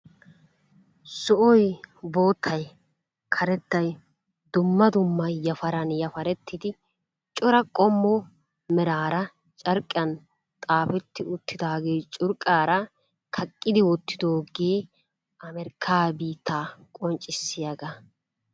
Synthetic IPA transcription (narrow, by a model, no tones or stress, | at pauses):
sɔʔɔjbo̞ːt̪ʰːɐj | kʰɐɾɛt̪ːɐj | d̪ʊmːɐd̪ʊmːɐjɐfɐɾɐnjɐfɐɾɛt̪ʰːɪd̪ɪ | t͡ʃʼɔɾɐkʼɔmːɔ | mɛɾaːɾɐ | t͡ʃʼɐɾkʼːɪɐn | t̪ʼaːfɛt̪ːɪʊt̪ːɪd̪aːɡeːt͡ʃʼʊɾkʼːaːɾɐ | kʰɐkʼːɪd̪ɪwɔt̪ːɪd̪oːɡeː | ɐmɛɾɪkʰːaːbiːt̪ʰːaːkʼɔnt͡ʃʼːɪsːɪjɐɡɐ